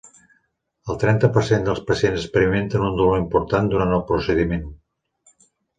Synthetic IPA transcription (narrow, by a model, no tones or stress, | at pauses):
əlˠt̪ɾɛnt̪əpəɾsend̪əlˠspəsienzəspəɾiment̪ənund̪uloimpuɾt̪and̪uɾant̪əlˠpɾusəðimen